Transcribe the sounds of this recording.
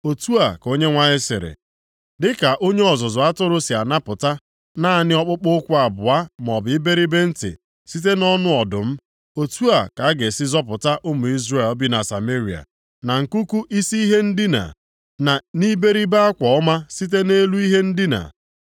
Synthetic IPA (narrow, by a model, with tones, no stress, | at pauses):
o˨tu˦a˨ko˦ɲe˦ŋʷa˦ɲɪ˦sɪ̰˨ɾɪ̰˨ | dɪ˦ka˨ʔo˦ɲe˦ɔ˨zʊ˨zʊ˨a˦tʊ˦ɾʊ˦si˨a˨na˦pʊ˨ta˦ | na˦a˦nɪ˦ɔ˦k͡pʊ˦k͡pʊ˦kʷʊ˦a˨bʊ˨a˦m˨ɔ˨bɪ˨ɪ˦be˦ɾi˦be˦n̩˦tɪ̰˨ | si˦t̬e˦nɔ˦nʊ˦ɔ˨dʊ̰˨m̩˦ | o˨tu˦a˨ka˨a˦ɡe˨sɪ˦zɔ˦pʊ˨ta˦ʔʊ˦mʊ˨i˦zre˦˨lbi˦na˨sa̰˨me˦ɾi˨a̰˨ | na˨ŋ̩˨ku˦ku˦ʔi˦si˦i˦ɦe˦n̩˦dɪ˦na̰˨ | na˨ni˦be˦ɾi˦be˦a˦kʷɔ˨ɔ˦ma˦si˦t̬e˦ne˦lu˦i˦ɦe˦n̩˦dɪ˦na̰˨